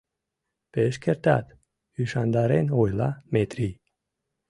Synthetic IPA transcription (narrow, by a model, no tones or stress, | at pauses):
peʃkeɾt̪ɑt̪ | yʃɑnd̪ɑɾenojlɑmet̪ɾi